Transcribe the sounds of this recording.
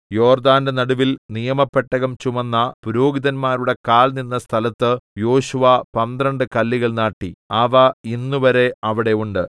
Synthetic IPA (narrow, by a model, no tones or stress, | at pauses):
jo̞ːrd̪aːndenɐɽuʋilnijɐmɐpːeʈːɐɣɐmt͡ɕumɐnːɐpuɾo̞ːɡiðɐnmaːɾuɽe̞kaːlninːɐst̪ʰɐlɐt̪ːɨjo̞ːɕuʋɐpɐnd̪rɐɳɖɨkɐlːiɣɐɭnaːʈːiɐʋɐinːuʋɐɾe̞ɐʋiɽe̞uɳɖɨ